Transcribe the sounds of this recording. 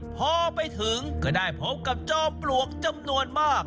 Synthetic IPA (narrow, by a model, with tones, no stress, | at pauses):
pʰɔː˧pa˧jt̪ʰɯ˨˦ŋkɔː˧˩daː˥˩jpʰo˦˥p̚ka˨˩p̚t͡ɕɔː˧plu˨˩ək̚t͡ɕa˧mnu˧ənmaː˥˩k̚